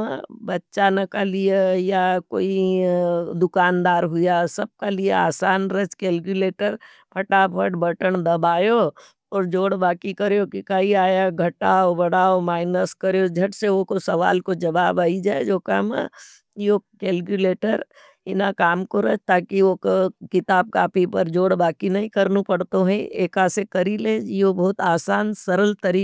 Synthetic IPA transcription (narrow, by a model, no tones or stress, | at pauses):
bɐtːʃanɐkalijejako̰ːi | d̪ʊkaːnd̪aːɾɦʊjasɐb̚kaliea̰ːsaːnɾət͡ʃkeːlkjuleːʈəɾ | pʰɐʈapʰəʈbɐʈəɽ̃d̪ɐbaːjo | ɔːɾd͡ʒoːɽbaːkikɐɾjokikaiaːjaɡʱɐʈaobɐɽaːomaːɪnəskɐɾjod͡ʒʱɐʈseokosɐʋa̰ːlkod͡ʒɐbaːbaːid͡ʒaːed͡ʒoːka̰ːmɛ̰ | okeːlkjuleːʈəɾ | ɪ̰nakaːmkoɾɐt͡ʃt̪aːkiʋokokɪt̪aːb̚kaːpipɐɾd͡ʒoːɽbaːkinɐɦĩkɐɾnupɐɽt̪oɦɛ̃eːkasekɐɾileːd͡ʒiobɔːt̪aːsaːnsɐɾəlt̪ɐɾiː